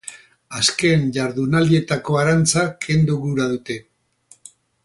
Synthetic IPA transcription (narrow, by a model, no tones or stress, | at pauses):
aske̞nʝaɾðunald̪ie̞t̪ako̞aɾant͡sakʰe̞nd̪uɣuɾaðut̪e̞